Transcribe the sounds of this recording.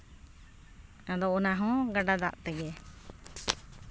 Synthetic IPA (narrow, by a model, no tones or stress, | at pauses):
ad̪ɔʔɔnaɦɔ̃ɡaɖad̪aʔt̪ɛɡɛ